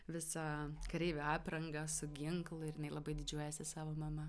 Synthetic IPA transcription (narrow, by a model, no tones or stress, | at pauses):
ʋʲɪsɑkɾʲɛɪʋʲɛɑːpɾɐŋɡɐsʊɡʲɪŋklˠʊɪɾjɪnɐɪlˠɐbɐɪd̪ʲɪd͡ʒʲuɔjɛsʲɪsɑːʋoːmɐmɐ